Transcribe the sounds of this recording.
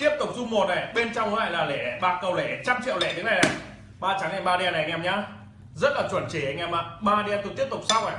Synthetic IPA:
t̪i˦˥əp̚t̪ʊ˨˩k͡p̚zu˧ŋ͡mmo˨˩t̚ʔa̰˨˩jɓe˧nt͡ɕɔ˧wŋ͡mkɔ˨˦la̰ː˧˨jlaː˨˩lɛ˧˩ɓaː˨˩k̚kːə˨˩wlɛ˧˩t͡ɕa˧mt͡ɕḭ˧˨əwlɛ̰˧˩ɗɨ˨˦na˨˩jna˨˩j | ɓaː˧t͡ɕa˨˦ŋa˧˩ɓaː˧ɗi˧aː˧na˨˩jŋɛ˧˩mɲaː˧ | zə˦˥t̚laː˨˩t͡ɕwə˧˩nt͡ɕe˨˦˩a˨˩ŋɛ˧ma˨˧˩ɓaː˧ɗiː˧t̪ʊ˨˧˩t̪i˦˥əp̚t̪ʊ˨˩k͡p̚sa˧wʔaː˨

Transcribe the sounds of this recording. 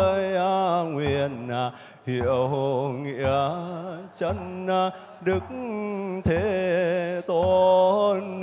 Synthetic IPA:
jʔa˧˩ŋwi˨əna˨˩ | hḭ˧˨əwo˧ŋḭ˧˨ə | t͡ɕə˧na˨˧˩ | ɗɨ˨˩ək̚t̪ʰe˨˦ | t̪o˨˦hə˧nː

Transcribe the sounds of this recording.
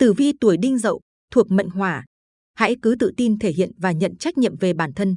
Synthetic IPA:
t̪ɨ˧˩vi˧t̪u˧˩əjɗï˧ŋ̟zə̰˧˨w | t̪ʰu˨˩ək̚mə̰˧˨ŋ̟ɦwaː˧˩ | ha̰˧˥jkɨ˨˦t̪ɨ̰˧˨t̪i˧nt̪ʰe˧˩hḭ˧˨ənvaː˨˩ɲə̰˧˨nt͡ɕa˦˥k̟̚ɲḭ˧˨əmve˨˩ɓaː˧˩nt̪ʰə˧n

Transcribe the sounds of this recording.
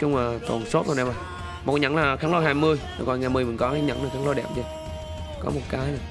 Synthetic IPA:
t͡ɕʊ˧ŋ͡mlaː˨˩t̪o̰˨˩nso˦˥t̚o˨˩nɛ˧˩maː˨˧˩ | mo˨˩ɲə̰˧˥nlaː˨˩xaː˦ŋlo˧haː˧˩jmɨ˧əja˨˩kɔ̰˨˧˨ŋaː˨˩jmɨ˧əjmï˨˩ŋkɔ˨˦˧ɲə̰˧˥nla˨˩xa˨˦lo˧˦ɗɛ̰˨˧˩pt͡ɕə˧ | kɔ̰˨˦mo˨˩t̚kaː˨˦jna˧˩

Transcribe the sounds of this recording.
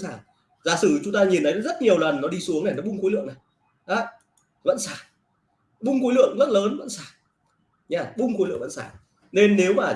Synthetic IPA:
saː˧˩ | zaː˨˦sɨ˧˩t͡ɕʊ˨˦ŋ͡mt̪aː˧ɲi˨˩nt̪ʰə˨˦zə˦˥t̚ɲi˨˩əwlə˨˩nːɔ˨˦ɗi˧su˨˦əŋna˨˩nɔ˨˦ɓʊ˧ŋ͡mkoː˨˦lɨ̰˧˨əŋna˨˩j | ʔaː˨˧˦ | və̰˧˥nsaː˧˩ | ɓʊ˧ŋ͡mxuː˨˦jlɨ̰˧˨əŋzə˦˥t̚ləː˨˦nvə̰˧˨nsaː˧˩ | ɲaː˧˩ɓʊ˧ŋ͡mxlɨ̰˧əŋvə̰˧˨nsaː˧˩ | ne˧nːe˨˦wmaː˨˩

